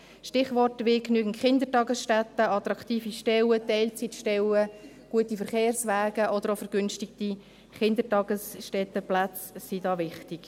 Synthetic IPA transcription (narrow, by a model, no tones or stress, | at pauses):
ʃtɪχʋɔrtʋɪknyəɡən̩tχɪnd̪ətɑɡəsʃtæt̪əɑt̪ɾɑkχtiːfiʃtɛwətɛɪlt͡sitʃtɛwə | ɡ̥uətifəɾχeːrsʋæːɡ̥əʔɔd̥əɾofəɾɡ̥ʏnʃtɪkti | χɪnd̪ətɑɡ̥əsʃtɛtəplat͡sːidɑːʋɪχtɪɡ̥